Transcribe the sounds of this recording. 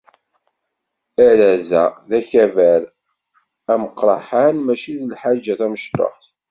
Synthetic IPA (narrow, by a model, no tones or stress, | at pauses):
æɾæzæðæçævæɾ | æməqːɾˤɑ̰ħanmæʃiðəlħad͡ʒːæθæməʃt̪ˤo̰ħθ